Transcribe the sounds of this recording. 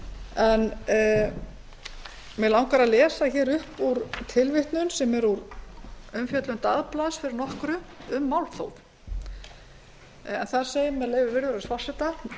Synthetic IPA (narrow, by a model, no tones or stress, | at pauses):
ɛn | mɛlawŋkaɾaðlɛːsθaçɛːɾʏhpuɾt̪ʰɪlvɪht̪nʏnsɛmɛɾuɾ | œmfjœt̪lʏnt̪aðplaðsfɪɾɪɾnɔhkɾʏʏmːawlθo̰wv | ɛnθaðɾ̥seːjɪmɛðlejvʏɾvɪɾðʏɾsvar̥sɛt̪a